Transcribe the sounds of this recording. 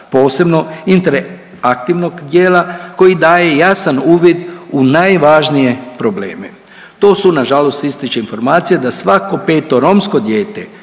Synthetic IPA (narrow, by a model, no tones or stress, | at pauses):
po̞ːse̞bno̞int̪eɾ | akt̪iʋno̞ɡd̪je̞ːlako̞jid̪aːje̞jasanuːʋid̪unajʋaʒnije̞pɾo̞ble̞̰ːmḛ | t̪o̞ːsunaʒalo̞st̪ist̪it͡ʃeinfo̞ɾmaːt̪sijad̪asʋako̞pe̞ːt̪o̞ɾo̞msko̞d̪jeːt̪e̞